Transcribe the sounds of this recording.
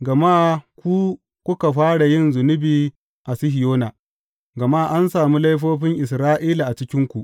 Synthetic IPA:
ɡɐ˨ma˦kʷu˦ | kʷʊ˦ka˨ɸaː˦ɽa˨jɪ˦˨nzʊ˨nʊ˦biː˨ | ʔa˨sɪ˦hɪ˨joː˦na˨ | ɡɐ˨ma˦˨ʔa˦nsaː˨mu˦la˦jɸ̬oː˦ɸɪ˦ŋʔɪ˨s̬ɾaː˦ʔiː˦la˨ʔa˨t͡ʃɪ˦kʲɪ˦ŋkʷu˨ʔ

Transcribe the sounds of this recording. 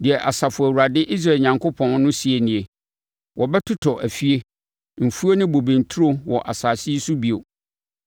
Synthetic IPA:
dɪ˨ɛ˨ʔa˨sa˨fʊ˨æ˨wu˨ɾa˨dɪ˦ʔi˦s̬ɾa˦˨ɲã˨ŋkʰʊ˦pʰɔ̃˦n˦nʊ̃˦si˨e˨nĩ˨e˨ | wʔɔ˨bɛ˦tʰʊ˦tʰɔ˨ʔæ˨fi˦e˦ | m̩˨fu˦o˦nɪ̃˦bo˨bĩ˨n˨tʰu˦ɾo˦wɔ˨ʔa˨saː˨si˦su˦bi˦o˨

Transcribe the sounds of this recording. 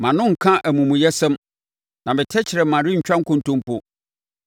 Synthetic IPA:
mã˨nʊ̃˦ŋ̩˨kʰã˦ʔæ˨mũ˨mũ˨jɛ˦sɛ̃˦m | nã˨mɪ̃˨tʰɛ˦t͡ɕʰɪ˨ɾɛ˨mã˨ɾi˦ɲ̩˨t͡ɕᶣã˦ŋ̩˦kʊ̃˦n˨tʊ̃˦m˦pʊ˦

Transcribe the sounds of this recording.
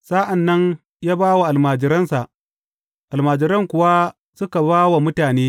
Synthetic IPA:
saː˦ʔa˨nːɐ˦n | jaː˦baː˦wa˨ʔa˨lmaː˨d͡ʒɪ˨ɾɐ˦nsa˨ʔ | ʔa˨lmaː˨d͡ʒɪ˨ɾɐ˦ŋkʷʊ˨wa˦ | sʊ˦ka˨baː˦wa˨mʊ˦taː˨neː˦

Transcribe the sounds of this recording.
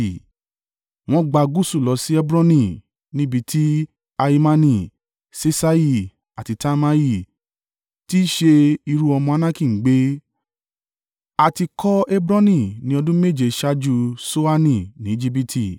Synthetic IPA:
w̃ɔ̃˦ɡ͡ba˧ɡu˦su˦˨lɔ˨˧si˦ɛ˦bɾã˦nĩ˧˨ | nĩ˦bi˧tʰi˦ | a˧i˧mã˧nĩ˧˨ | se˧sa˦˧ji˧˨ | a˨ti˨˧ta˦ma˧ji˧˨ | ti˦ʃe˧i˧ɾu˦ɔ˧mɔ̃˧a˧˦nã˦ki˦˨ŋ̩˨ɡ͡be˦ | a˧ti˧kɔ˦e˦bɾã˦nĩ˦˨nĩ˨˦ɔ˧dũ˦me˦˨d͡ʒe˨ʃa˦d͡ʒu˧so˦a˦nĩ˧˨nĩ˨˦d͡ʒi˦b̬i˧tʰi˨

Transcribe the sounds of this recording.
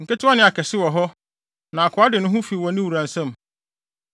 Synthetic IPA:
ŋ̩˨ka˦tʰʊ˦a˦nɪ̃˦˨a˨kʰɛ˨sɪ˦wɔ˨ɦɔ˦ | nã˨a˨kʰʊ˨˦a˦dɪ˨nʊ̃˦ɦʊ̃˦fi˨wɔ˨nɪ̃˦wu˨ɾã˨n˨sã˦m

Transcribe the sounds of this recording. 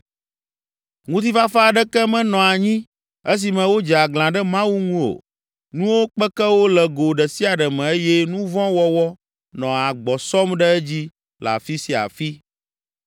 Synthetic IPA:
ŋũ˦t̪̬i˦fa˦fa˦a˨ɖɛ˦kɛ˦mɛ̃˨nɔ̃˨a˨ɲĩ˦ | e˦s̬i˨mɛ̃˨wo˦d͡ʒɛ˨a˨ɡl̃ã˨ɖɛ˦mã˦wu˦ŋũ˦o̰˨ | nũ˦wo˦k͡pɛ˦kɛ˦wo˦lɛ˨ɡo˨ɖɛ˨si˦a˨ɖɛ˨mɛ̃˨e˦jɛ˦nũ˦vɔ̃˦wɔ˦wɔ˦ | nɔ̃˨a˨ɡ͡bɔ˨sɔ˦mɖɛ˦ɛ˦d͡ʑi˦ | la̰˨fi˦si˨a̰˨fi˦

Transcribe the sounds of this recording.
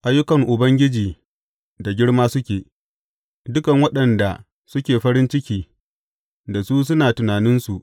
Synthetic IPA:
ʔa˦jːʊ˦kɐ˨ŋʔʊ˨bɐ˦ŋɡʲɪ˦d͡ʒiː˨ | da˨ɡʲɪ˦ɽmaː˦sʊ˦kʲeː˨ | dʊ˦kɐ˨ŋwɐ˦ɗɐ˨nda˨ | sʊ˦kʲeː˨ɸɐ˦ɾɪ˦nt͡ʃɪ˦kʲiː˦ | da˨su˦s̬ʊ˦naː˨tʊ˨naː˨nɪ˦nsu˨ʔ

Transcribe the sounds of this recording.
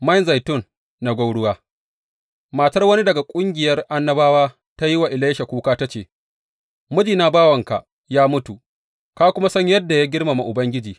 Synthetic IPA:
ma˦˨nza˨jtʊ˦nː | a˨ɡʷa˦wɽʊ˦waː˦ | maː˨tɐ˦rwɐ˦ni˦dɐ˨ɡa˨kʷʼʊ˦ŋɡʲɪ˨jɐ˦rʔa˦nːɐ˦baː˦waː˦ | ta˦ji˦wa˨ʔɪ˨laː˦ʃa˨kʷuː˦kaː˦ta˦t͡ʃeː˨ | mʊ˦d͡ʒiː˨naː˦baː˦wɐ˨ŋka˨ | jaː˦mʊ˦tu˨ | kaː˦kʷʊ˦ma˦sɐ˦ɲjɐ˦dːa˨ja˦ɡʲɪ˦rma˨ma˨ʔʊ˨bɐ˦ŋɡʲɪ˦d͡ʒiː˨

